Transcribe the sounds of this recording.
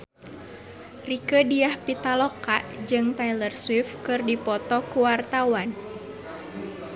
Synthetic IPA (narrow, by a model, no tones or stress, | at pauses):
rikədiahpit̪alɔkaʔd͡ʒɨŋt̪ailərswɪfkɨrdipɔt̪ɔkuwart̪awan